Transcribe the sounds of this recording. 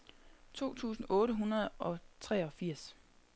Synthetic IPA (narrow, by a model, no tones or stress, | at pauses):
t͡sʰo̝̰ːt͡sʰṵːsn̩ɔ̽ːɾəɦunɐð̩ˠɒ̽t͡sʰʁɛɒ̽fiɐ̰s